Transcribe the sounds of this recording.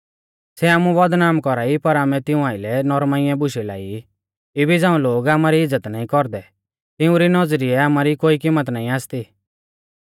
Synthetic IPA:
sɛaːmũʋɔd̪naːmkɔɾaːipɐɾaːmɛt̪ɪũaːɪlɛnɔɾmaːɪjɛ̃bʊʃɛlaːi | ɪbid͡zãːũloːɡaːmaɾiɪd͡zːət̪naːĩkɔɾd̪ɛ | t̪ɪũɾinɔd͡zɾiɛaːmaɾikoːikɪmːət̪naːĩaːst̪iː

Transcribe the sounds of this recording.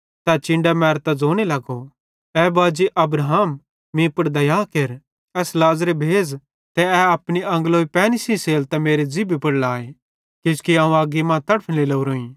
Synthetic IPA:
t̪at͡ʃɪ̃ɳɖamɛːɾt̪ad͡zoːɽ̃elɐɡo | ɛːbaːd͡ʒiʔɐbɾɦaːm | mĩpɐɽd̪ɐjaːkeɾ | ɛːslaːzɾebʱeːd͡z | t̪ɛɛɐpɽ̃iɐ̃ŋɡloːipɛːnisĩseːlt̪ɛmeːɾed͡zibʱipɐɽlaːe | kɪskiãːũaːɡimãːt̪ɐɽpʰɪlelouɾoːĩː

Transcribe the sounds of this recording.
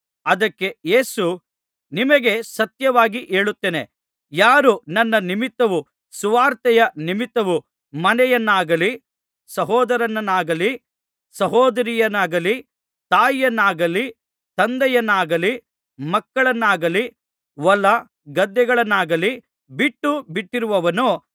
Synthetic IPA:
ɐd̪ɐkːe̞jeːsu | nimɐɡe̞sɐt̪jɐʋaːɡiʔe̞ːɭut̪ːeːne | jaːɾunɐnːɐnimit̪ːɐʋu | suʋaːɾt̪ɛjɐnimit̪ːɐʋu | mɐnɛjɐnːaːɡɐli | sɐɦɔːd̪ɐɾɐnːɐnːaːɡɐli | sɐɦɔːd̪ɐɾijɐnaːɡɐli | t̪aːjjɐnːaːɡɐli | t̪ɐnd̪ɛjɐnːaːɡɐli | mɐkːɐɭɐnːaːɡɐli | ʋɐlːɐ | ɡɐd̪ːɛɡɐɭɐnːaːɡɐli | biʈːubiʈːiɾuʋɐʋɐnu

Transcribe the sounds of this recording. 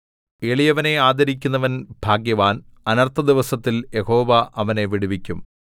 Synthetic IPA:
eːɭijɐʋɐne̞aːd̪ɐɾikʲːunːɐʋɐnbʱaːɡjɐʋaːnɐnɐrt̪ʰɐd̪iʋɐsɐt̪ːilje̞ho̞ːʋɐʔɐʋɐne̞ʋiɽuʋikʲːum

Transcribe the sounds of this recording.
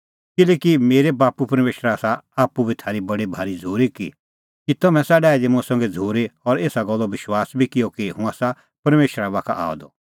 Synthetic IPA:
kɪleːkimeːɾebaːpupɐɾmeːʃɾaːsaaːpːubʱit̪ʰaːɾibɐɽibʱaːɾid͡zʱoːɾekḭ | kit̪ɐmɛ̃saːɖaːid̪emʊ̃ãsɐ̃ŋɡɛd͡zʱoːɾeɔɾeːsaɡɔlːɔʋɪʃwaːsbʱikɪjɔkiɦũaːsa | pɐɾmeːʃɾaβaːkʰa̰ʔa̰ːɔ̰d̪ɔ

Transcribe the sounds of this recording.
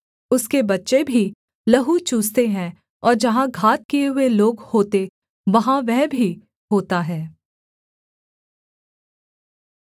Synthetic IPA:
ʊskebɐtːʃebʱi | lɐɦut͡ʃuːst̪eɦɛ̃ | ɔːɾd͡ʒɐɦãɡʱaːt̪̚kijeɦʊeloːɡhoːt̪e | ʋɐɦãʋɛɦbʱi | ɦoːt̪aɦɛː

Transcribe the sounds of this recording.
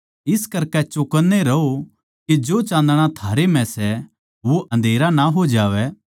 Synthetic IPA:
ɪskɐɾkɛt͡ʃʊkənːeɾɐo | ked͡ʒoːt͡ʃãːnd̪əɽ̃at̪ʰaːɾem̤ɛ̃sɛ | ʋoʔɐ̃nd̪ʱeːɾanaɦod͡ʒaːʋɛː

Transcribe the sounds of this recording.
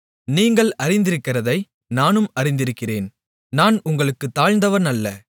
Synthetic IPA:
niːŋɡɐɭɐɾɪnd̪ɪɾɯkːɪrɐðɐɪ | naːnɯmɐɾɪnd̪ɪɾɯkːɪreːn | naːnʊŋɡɐɭɯkːɯt̪ːaːɻnd̪ɐʋɐɾnɐlːɐ

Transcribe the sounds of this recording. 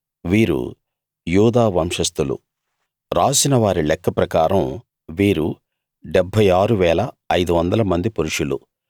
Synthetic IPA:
ʋiːɾṵ | juːd̪aːʋɐmʂɐst̪ulṵ | ɾaːsinɐʋaːɾilɛkːɐpɾɐkaːɾɐm | ʋiːɾu | ɖɛbʱːɐjaːɾuʋɛːlɐ | ɐjd̪uʋɐnd̪ɐlɐmɐnd̪ipuɾuʂulṵ

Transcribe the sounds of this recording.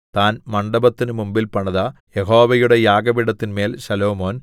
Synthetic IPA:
t̪aːnmɐɳɖɐbɐt̪ːinɨmumbilpɐɳɐðɐjeɦo̞ːʋɐjuɽe̞jaːɡɐʋiɽɐt̪ːinme̞ːlɕɐlo̞ːmo̞ːn

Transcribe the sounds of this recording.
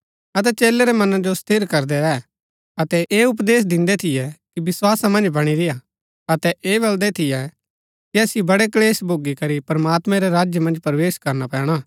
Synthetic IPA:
ɐt̪̬ɛt͡ʃeːlɛɾɛmɐnãd͡ʒost̪ʰɪɾkɐɾd̪ɛɛ | ɐt̪ɛʔeːʊp̬d̪eːs̬d̪ɪ̃nd̪ɛt̪ʰɪjɛkibɪswaːsamɐ̃nd͡ʒbɐɽ̃iɾɪja | ɐt̪ɛʔeːbɐld̪ɛt̪ʰɪjɛ | kiɐːsiobɐɽɛkleːsbʱoːɡikɐɾipɾmaːt̪mɛ̃ɾɛɾaːd͡ʒjəmɐ̃nd͡ʒpɾɐʋeːskɐɾnapɛ̃ːɽ̃aː

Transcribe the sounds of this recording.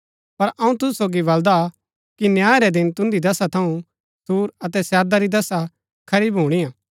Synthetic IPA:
pɐɾɐ̃ũt̪ʊssoːɡibɐld̪a | kinjaːɾɛd̪ɪnt̪ʊ̃nd̪id̪ɐsat̪ʰɐũ | suːɾɐt̪ɛsɛːɾd̪aɾid̪ɐsa | kʰɐɾiːbɦuːɽ̃ijãː

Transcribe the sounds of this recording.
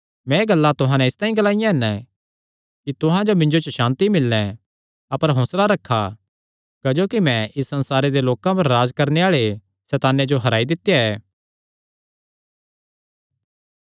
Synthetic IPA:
mɛ̃ːɡɐlːat̪ʊɦãnɛ̃ɪst̪aːĩɡɐlaːɪjãɦɛn | kit̪ʊɦãd͡ʒomɪ̃ɲd͡ʒot͡ʃʃãːnt̪imɪlːɛ̃ | ɐpəɾɦõːslaɾɐkʰːa | kɐd͡ʒoːkimɛ̃ʔɪsːɐ̃nsaːɾed̪eloːkãpɐɾːaːd͡ʒkɐɾneaːɭe | sɛːt̪aːnːed͡ʒoɦɐɾaːid̪ɪt̪ːjaɛː

